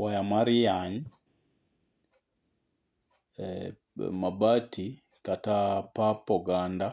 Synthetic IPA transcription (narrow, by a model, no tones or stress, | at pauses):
wajamaɾijaɲ | mabatʰi | katapapɔɡanda